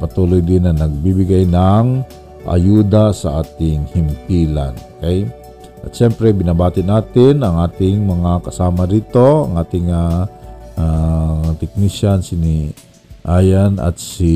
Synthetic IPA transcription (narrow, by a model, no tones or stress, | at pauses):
pɐt̪uːlojd̪ɪnɐnɐɡ̚bibɪɡajnaŋ | ʔɐ̰juːd̪asɐʔaːt̪ɪŋhɪmpiːla̰nkaj | ʔɐt̪ʃɛmpɾɛbɪnabaːt̪ɪnaːt̪ɪnɐŋʔaːt̪ɪŋmɐŋakɐsaːmɐɾiːt̪o̞ɐŋʔaːt̪ɪŋa | at̪ɪk̚niʃansɪni | ʔaːjanɐ̰t̪si